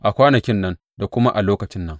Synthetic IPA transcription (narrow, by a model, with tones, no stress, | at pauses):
ʔa˨kʷaː˦nɐ˨kʲɪ˦nːɐ˦n | da˨kʷʊ˦ma˦ʔa˨loː˦kɐ˨t͡ʃɪ˦nːɐ˦ŋ